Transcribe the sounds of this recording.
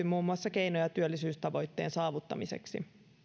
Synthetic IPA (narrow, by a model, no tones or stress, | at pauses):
imuːmːuɑsːɑke̞jnojɑt̪yølːisyːst̪ɑʋo̞jt̪ːeːnsɑːʋut̪ːɑ̰misḛksḭ